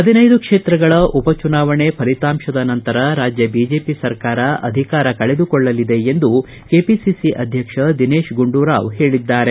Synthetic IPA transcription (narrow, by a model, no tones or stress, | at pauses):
ɦɐd̪inɐjd̪ukʂeːt̪ɾɐɡɐɭɐʔupɐt͡ʃunaːʋɐɳepʰɐlit̪aːmʃɐd̪ɐnɐnt̪ɐɾɐɾaːd͡ʒjɐbid͡ʒe̞ːpisɐɾkaːɾɐɐ̰d̪ʱikaːɾɐkɐɭed̪ukɔɭːɐlid̪e̞end̪u | keːpisisiʔɐd̪ʱjɐkʂɐd̪ineːʃɡuɳɖuːɾaːʋɦe̞ːɭid̪ːaːɾe